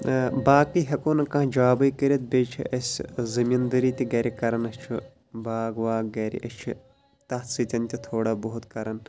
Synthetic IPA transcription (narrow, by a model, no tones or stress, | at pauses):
baːkiɦɐkoːnɐkɐ̃d͡ʒɐaːbɐjkɐɾit̪̚beːt͡ʃʰḭʔɐsʲzɐmind̪ɐɾiːt̪ʲiɡɐːɾikɐɾɐnɐst͡ʃʰu | baːɡʋaːɡɐːɾḭʔɐst͡ʃʰḭ | t̪ɐt̪sit̪ʲɐnt̪ʲit̪ʰoːɽaːboɦut̪kɐɾɐn